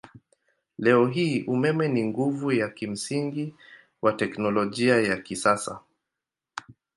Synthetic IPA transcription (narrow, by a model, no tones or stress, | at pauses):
lɛɔɦiːʔumɛmɛniŋɡuvujakim̩siŋɡi | watɛknɔlɔʄiajakisasa̰